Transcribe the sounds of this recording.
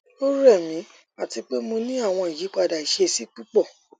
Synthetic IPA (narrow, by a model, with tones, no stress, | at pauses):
o˦ɾɛ˦˨mĩ˨˦ | a˨ti˧k͡pe˦mo˧nĩ˦a˦˨w̃ɔ̃˧i˨ji˨˦k͡pa˦˨da˨i˨ʃe˧si˦k͡pi˦k͡pɔ˦˨